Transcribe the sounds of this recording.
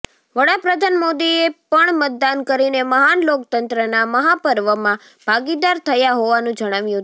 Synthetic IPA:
ʋəɽapɾəd̪ʱanmod̪iepəɳmət̪̚d̪ankəɾineməɦanlokt̪ənt̪ɾənaməɦapəɾʋəmã | b̥ʱaɡid̪aɾt̪ʰəjaɦoʋanũd͡ʒəɽ̃aʋjũɦ̪

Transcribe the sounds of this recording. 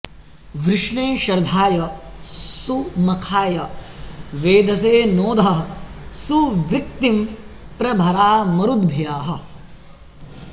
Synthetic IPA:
ʋɾɪʂɳeːʃɐɾd̪ʱaːjɐ | sumɐkʰaːjɐ | ʋeːd̪ʱɐseːnoːd̪ʱɐɦɐsuʋɾɪk̚t̪im | pɾɐbʱɐɾaːmɐɾud̪bʱjaːɦɐ̆

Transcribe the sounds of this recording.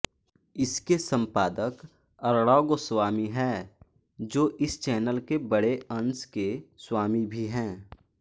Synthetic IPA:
ɪskesə̃mpaːd̪ək | ɐɾɽaːɡoswaːmiɦɛː | d͡ʒoːʔɪst͡ʃɛːnəlkebəɽeʔɐ̃nskeswaːmibʱiɦɛ̃ː

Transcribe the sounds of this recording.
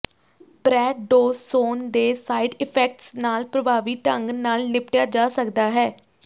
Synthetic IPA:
pɾɛːɖoːzːoːnd̪eːsaːiɖɪpʰɛːk̚ʈsnaːlpɾəbaːʋiːt̪əŋɡnaːlnɪpʈjaːd͡ʒaːsəkd̪aːɦɛː

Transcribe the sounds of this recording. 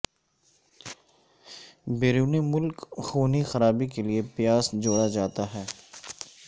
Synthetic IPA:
beːɾuːnimʊlkxuːnixɐɾaːbikeliepjaːsd͡ʒoːɽad͡ʒaːt̪aɦɛː

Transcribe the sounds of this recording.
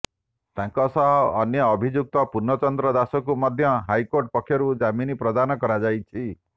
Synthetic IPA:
t̪aŋkɔsɔɦɔːnjɔːbʱid͡ʒuk̚t̪ɔpuɾnɔt͡ʃɔnd̪ɾɔd̪asɔkumɔd̪ʱjɔɦajkoɾʈ̚pɔkʰjɔɾud͡ʒaminipɾɔd̪anɔkɔɾad͡ʒajt͡ʃʰi

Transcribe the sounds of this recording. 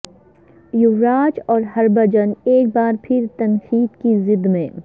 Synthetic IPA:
jʊʋɾaːt͡ʃɔːɾɦɐɾbɐd͡ʒəneːk̚baːɾpʰɪɾt̪ɐnkiːd̪kizɪd̪mẽː

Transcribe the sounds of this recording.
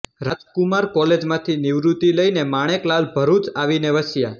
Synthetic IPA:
ɾad͡ʒkumaɾkɔled͡ʒmãt̪ʰiniʋɾut̪iləinemaɽ̃eklalbʱəɾut͡ʃaʋineʋəsja

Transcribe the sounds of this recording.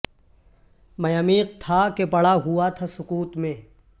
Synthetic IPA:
mɐjaːmiːq̚t̪ʰakepɐɽ̤aɦuat̪ʰasʊkuːt̪mẽː

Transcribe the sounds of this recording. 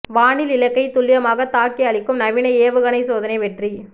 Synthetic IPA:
ʋaːnɪlɪlɐkːɐɪt̪ʊɭːɪjɐmaːɣɐt̪aːkːiɐɭɪkːɯmnɐʋɪnɐeːʋɯɣɐnɐɪsoːðɐnɐɪʋɛʈri

